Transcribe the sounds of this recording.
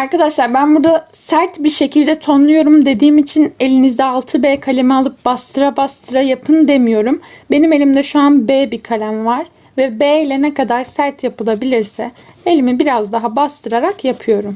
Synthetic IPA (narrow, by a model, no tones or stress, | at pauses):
aɾkad̪aʃlˠaɾbænbuɾd̪a | sæɾt̪biɾʃe̞cʰilʲd̪ɛt̪ʰonlˠujo̞ɾumd̪e̞d̪iːmit͡ʃʰine̞lʲinizd̪ɛalˠt̪ʰɯbeːkʰalʲemɛalˠɯp̚bast̪ʰɯɾabast̪ʰɯɾajapʰɯnd̪e̞mijo̞ɾumbe̞nime̞lʲimd̪ɛʃuanbeːbikʰalʲæmvaɾ̥ | vɛbeːlʲɛnɛkad̪aɾsæɾt̪japɯlˠabilʲiɾsɛ | elʲimibiɾazd̪aɦabast̪ʰɯɾaɾakjapʰɯjo̞ɾum